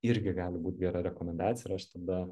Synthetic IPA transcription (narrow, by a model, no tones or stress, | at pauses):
ɪɾʲɡʲɪɡɑːlʲɪbuːt̪ʲɡʲɛɾɐɾʲɛkomʲɛnd̪ɑːt̪t͡ssʲɪjɪɾɐɐʃt̪ɐd̪ɐ